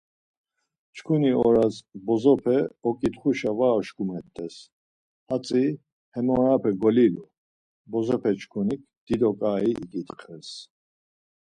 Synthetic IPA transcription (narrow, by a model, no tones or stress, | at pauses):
t͡ʃʰkʰuniɔɾazbɔzɔpʰɛɔkʼit̪χuʃavaːʃkʼumɛt̪ʼːɛs | hat͡sʼi | hɛmɔɾapʰɛɡɔlilu | bɔzɔpʰɛt͡ʃʰkʰunikʰd̪̥id̪ɔkʼaiikʼit̪χʰɛs